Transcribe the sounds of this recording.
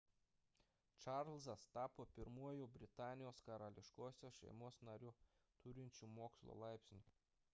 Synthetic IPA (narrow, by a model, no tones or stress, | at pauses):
t͡ʃɑɾlˠzɐst̪ɑːpoːpʲɪɾmuɔjuːbʲɾʲɪt̪ɑːnʲɪjoːskɐɾɐlʲɪʃkoːsʲoʃʲɛ̰ɪmoːsnɐɾʲu | t̪ʊɾʲɪnʲt͡ʃʲumoːkslˠo̰ːlˠɑˑɪpʲsʲnʲɪ